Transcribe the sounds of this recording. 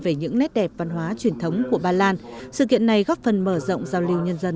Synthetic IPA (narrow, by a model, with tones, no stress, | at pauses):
ve˧˩ɲɨ̰˧˥ŋnɛ˦˥t̚ɗɛ˨˩p̚va˧nɦwaː˨˦t͡ɕwi˨˩ənt̪ʰə˨˦wŋ͡mku˧˩əɓaː˧laː˧nsɨ̰˧˨kḭ˧˨ənːa˨˩jɣɔ˦˥p̚fə˨˩nməː˧˩zə̰˧˨wŋ͡mzaː˧wli˧əwɲə˧nzə˧n